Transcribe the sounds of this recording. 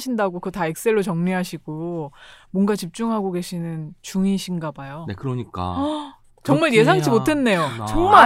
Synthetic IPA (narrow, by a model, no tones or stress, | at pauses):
ɕʰindaɡokɯtaek̚s͈e̞ɭːot͡ɕʌŋɲiɦaɕʰiɡ̥o | mwʌnɡat͡ɕip̚t͡ɕ͈uŋɦaɡoɡe̞ɕʰinɯnt͡ɕuŋiɕʰinɡabajonekɯɾʌɲik͈a̰ | t͡ɕʌŋmaɭje̞sʰaŋed͡ʑimotʰe̞nːe̞jot͡ɕʌŋma